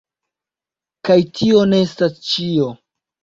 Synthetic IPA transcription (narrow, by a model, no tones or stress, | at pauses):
kajtʰio̞ne̞estast͡ʃio̞